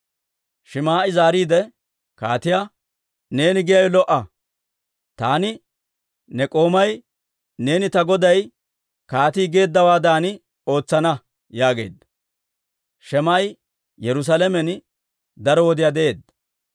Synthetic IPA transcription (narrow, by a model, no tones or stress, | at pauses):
ʃɪmaːʔɪzaːɾiːd̪ɛ | kaːt̪ɪja | ne̞ːnɪɡɪjɐjɔlɔʔɐ | t̪aːnɪ | nɛkʼo̞ːmɐj | ne̞ːnɪt̪ɐɡɔd̪ɐj | kaːt̪iːɡe̞ːd̪ːɐwaːd̪aːnɪ | o̞ːt͡sːɐnɐ | jaːɡe̞̰ːd̪ɐ̥ | ʃɛmaːj | jɛɾʊs̬alɛmɛn | d̪ɐɾɔwɔd̪ɪjad̪ɛʔe̞ːd̪ɐ